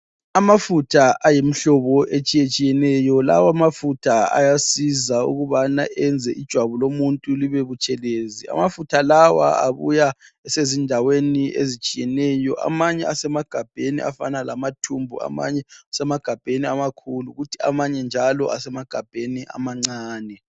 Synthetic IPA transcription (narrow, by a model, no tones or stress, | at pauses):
amafutʰaʔajem̩ɬɔβɔʔet͡ʃʼijet͡ʃʼijɛnɛjɔla̰wamafutʰaa̰jasizaṵɣuβanaʔɛnd͡zʱɛʔid̥ʒ̥ʱwaβulomuntʼuliβeβut͡ʃʼɛlezia̰mafutʰalawa̰a̰βṵjaɛsezindʱaweniḛzit͡ʃʼijɛnɛjɔʔa̰maɲɛasɛmaɡ̥ʱab̥ʱenḭa̰fanalamatʰumbʱṵa̰ma̰ɲɛasɛmaɡ̥ʱab̥ʱeniamakʰuluɣutʰia̰maɲɛnd͡ʒʱalɔ̰ʔasɛmaɡ̥ʱab̥ʱeniʔa̰maŋ͡ǀaːnɛ